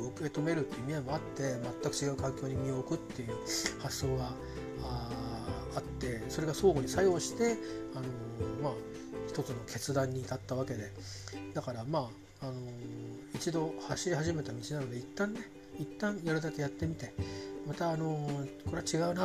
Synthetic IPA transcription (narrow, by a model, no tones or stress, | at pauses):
ɯkɯe̞t̪o̞me̞ɾɯ̟t̪ːeiɯmʲiamoat̪ːe̞mat̪ːakɯ̟t͡ɕiɡaɯ̟kãŋkʲo̞ːɲ̟imʲio̞kɯ̟t̪ːe̞jɯ̟ːhasːo̞ːɡa | t̪ːe̞so̞ɾe̞ɡaso̞ːɡo̞ɲ̟isajo̞ːɕi̥t̪e̞ano̞maː | çi̥t̪o̞t͡sɨno̞kʰe̞t͡sɨd̪ãɲ̟ːit̪at̪ːaβ̞ake̞d̪e̞d̪akaɾamaː | no̞it͡ɕid̪o̞haɕiɾʲihaʑime̞t̪amʲit͡ɕinano̞d̪e̞it̪ːãnːe̞ | it̪ːãɰ̃jaɾɯ̟d̪ake̞jat̪ːe̞mʲit̪e̞mat̪aːno̞koɾe̞t͡ɕiɡaɯ̟na